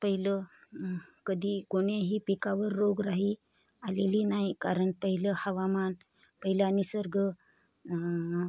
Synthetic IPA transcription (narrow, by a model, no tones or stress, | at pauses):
pəɦilə | kəd̪ʱiːkoɽeɦiːpekaʋəɾːoɡɾaɦiː | aleliːnaɦikaɾəɳpəɦiləhəʋaman | pəɦilanisəɾɡʱə